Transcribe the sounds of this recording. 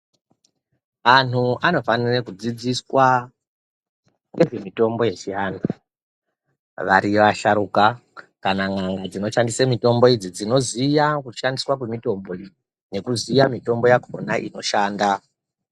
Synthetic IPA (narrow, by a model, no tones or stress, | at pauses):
an̤uano̞fanirekud͡zid͡ziswa | ŋɡe̞ʐe̞mito̞mbo̞je̞t͡ʃianu | ʋaɾiʋaʃaɾukakanaŋaŋɡad͡zino̞ʃandisamito̞mbo̞id͡zid͡zino̞zijakuʃandiswakwemito̞mbo̞i | ne̞kuzijamito̞mbo̞jakʰo̞̰naʔḭno̞ʃaːnda